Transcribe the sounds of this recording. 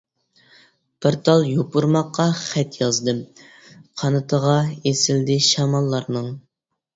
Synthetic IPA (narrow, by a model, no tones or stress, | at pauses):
b̥ɪɾt̪ʰɑlˠjopuɾmɑqːɑχɛt̪jɑzd̪ɨ | qʰɑnɨt̪ʰəʁɑesɪld̪ɪʃɑmɑlˠːɑɾnɨŋ